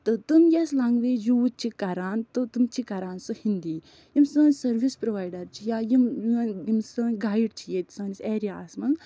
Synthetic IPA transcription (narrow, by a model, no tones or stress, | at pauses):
t̪ɨt̪ɨmjeslaŋɡʋeːjuut͡ʃʰikɐɾaːnt̪ɨt̪ɨmt͡ʃʰikɐɾaːnsɨhind̪iː | jimsəːnsɐɾʋispɾoʋaːjɖɐɾt͡ʃʰijaːjimjnjimsɨːnɡaːjɖt͡ʃʰijet̪ʲsɐːniseːɾijaːsmɐ